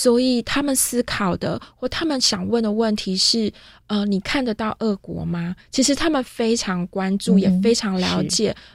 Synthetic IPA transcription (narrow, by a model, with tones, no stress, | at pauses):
swɔ˧˥i˨˩t̪ʰa˥mə˨nsɹ̩˥kʰɑ˨˩ʊd̪ə̰˦xwɔ˥˩t̪ʰa˥mə˨nɕjɑ˨˩ŋwə˥˩nd̪ə˩wə˥˩nt̪ʰi˧˥ʂɻ̩˥˩ | ə˧ni˨˩kʰa˥˩nd̪ə˨˩t̪ɑ˥˧ʊʔə˥˩kwɔ̰˧˥ma˧t͡ɕʰi˧˥ʂɻ̩˧˥t̪ʰa˥mə˨nfe˥ɪʈ͡ʂʰɑ˧˥ŋkwa˦nʈ͡ʂu˥˩jɛ˨˩fe˥ɪʈ͡ʂʰɑ˧˥ŋljɑ˧˥ʊt͡ɕjɛ˨˩˦